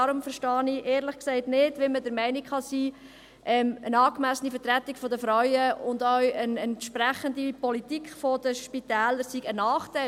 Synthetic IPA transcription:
ɑɾʊmfəɾʃtɑːniʔeːɾləχksɛɪtnɪtʋɪmədəɾmɛɪnikχɑsiː | ʔɛmənɑːkmæsənifəɾtɾæt̪ːikfɔd̪əfɾɔɥəʊndɔwənɛntʃpɾæχəndipɔlitikχfɔd̥əʃpitæːləɾsiɡənɑːχtɛɪ

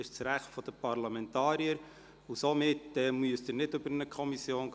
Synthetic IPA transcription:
ɪʃt͡sɾæχtfɔd̪̥əpʰɑɾlɑmɛntɑːɾiəɾ | usomɪtːɛmyəst̪əɾnɪdɵbəɾnəkʰχɔmisjoːnɡ

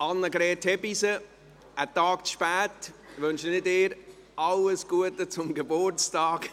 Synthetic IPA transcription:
ʔɑnːəɡɾɛːtʰhɛbisə | ətɑːkt͡sʃpɛːtʋønʃənɪdɪːɾ | ʔɑləsɡ̥uətət͡sʊmɡebʊɾt͡stɑːk

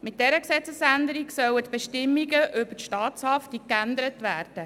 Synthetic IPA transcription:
mɪt̚d̥ɛɾəksɛt͡səsænd̪əɾiksœwət̪b̥eʃtɪmːiɡəʔʏbətʃtɑːtshɑftikːænd̪əɾət̪ʋæːrd̥ə

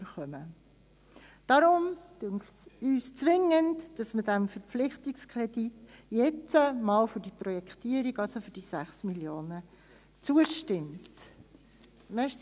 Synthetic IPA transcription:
əχœmə | d̥ɑɾʊm | yːst͡sʋɪŋəntd̥ɑsmədæmfəɾpp͡flɪχtikskʰɾɛditjɛt͡səmɑːlfʏɾdipɾrɔjɛktiːəɾiɡɑlsofʏd̥isæχsmiljoːnə | t͡suəʃtɪmt | mɛʃ

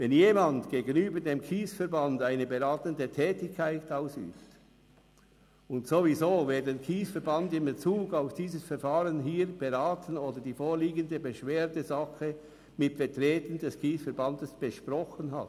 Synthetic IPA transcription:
vɛnjeːmɑndɡ̥eːɡənyːbədeːmkʰiːsfɛɐʁbɑndaɪnəbeʁaːtəndətʰɛːtɪçkʰːaɪtaʊsy̰ːft | ʊntsovizoːveːɐdeːnkʰiːsfɛɐbɑndɪmbet͡suːɡaʊfd̥iːzəsfɛʁfaːʁənɦiːʁb̥eʁaːtənoːdɐdiːfoːʁliːɡəndəbəʃv̥eːɐdəzɑxə | mɪtfɛtʁeːtən̩dɛskʰiːsfɛɐbɑndəsb̥əʃpʁɔχənɦa̰t

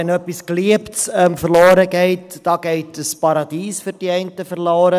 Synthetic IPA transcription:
ənœpiskliəptsəːmfərlɑːɾəɡɛjtd̥ɑɡɛjtəspɑɾɑdiːsfərdiɛjntəfərlɑːɾə

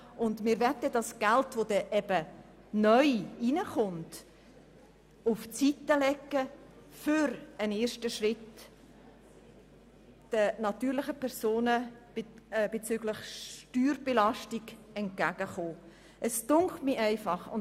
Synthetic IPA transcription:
ʊndmɪːɾvɛtədɑsɡ̥altvod̥ɛʔɛbə | nœʏinəχʊnt | ʊft͡sitəlɛkːə | fʏɾəneːɾʃtəʃrɪt | d̥ənɑtyːɾlɪχəpʰɛɾsoːnə̥ | b̥et͡syɡlɪχʃtyːɾb̥elɑʃtiɡ̥ɛnt̚ɡ̥æɡ̥əχoː | ʔəstʊŋkχtmiʔæɪfɑχʊn

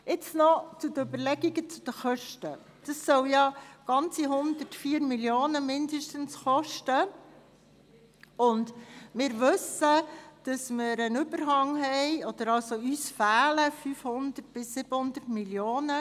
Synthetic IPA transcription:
ɪt͡snɔt͡sʊd̪əøbəɾlɛɡiɡət͡sud̥̪əχœʃtə | d̥ɑsːœwjɑɡ̥ɑnt͡siɦʊnd̪ətfiːəɾmiljoːnəmɪndəʃtənsχɔʃtə | ʊnd̥mɪːɾʋɵsəd̥ɑsmɪɾənʏbəɾɦɑŋɦɛɪɔd̪̥əɾɑlsoyːsfæːləfyːfhʊnd̪ət̚b̥ɪsːɪb̥əhʊnd̪ətmiljoːnə

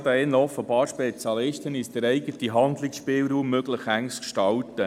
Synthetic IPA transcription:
d̪əɛnləɔfːəbɑːɾʃpɛt͡sjɑlɪʃtənɪsd̥̪əɾɛɪɡətiɦɑnd̪lɪksʃpɪːlɾuːmːøɡləχæŋskʃtɑltə

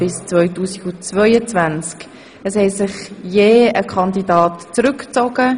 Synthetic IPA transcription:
b̥ɪst͡svœʏtuːsiɡ̥ut͡svœʏət͡svænt͡sk | əshɛsɪχjeːəkʰɑnd̪idɑːtt͡sɾʏkt͡sɔɡ̥ə

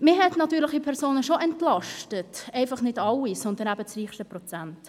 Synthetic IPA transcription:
mɪɦɛtnɑtyːɾlɪχipʰɛʁsoːnəʃoʔɛntlɑʃtətɛɪfɑχnɪdɑlːisɔnd̪ənæbət͡sɾiːχʃtəprɔt͡sænt

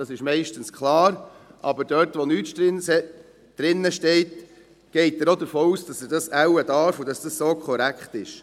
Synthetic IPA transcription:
d̥ɑsɪʃmɛɪʃtənskχlɑːɾʔɑ̰bəɾdœːɾtʋɔnyːtʃ | d̥ɾɪnːəʃtɛɪt | ɡ̥ɛɪtəɾodəɾfoːuːsd̥ɑsədɑsæwədɑɾfud̥ɑsd̥ɑssoːkʰɔɾækχt̪ɪʃ

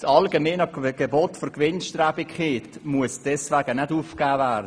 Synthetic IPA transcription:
sɑlɡɛmeːnɑkɡ̥ebotforkʋɪnʃtrabikχɪtmuəsd̥ɛsʋæɡənɛduːfkaːvæːd

